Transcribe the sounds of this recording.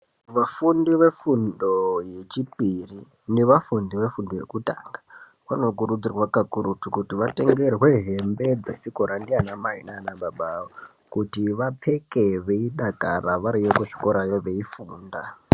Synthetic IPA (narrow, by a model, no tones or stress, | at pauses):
ʋafundiʋe̞fundo̞je̞t͡ʃipiri | neʋafundiʋe̞fundo̞je̞̰kutaŋɡa | ʋano̞kuɾud͡zirwakakuɾutukutiʋate̞ŋɡe̞rwe̞ɦe̞mbe̞d͡zet͡ʃiko̞ɾandianamaɦḭnanaɓaɓao | kutiʋap͡fe̞keʋeiɗakaraʋaɾijekuʂi̥ko̞ɾajoʋe̞ifuːnda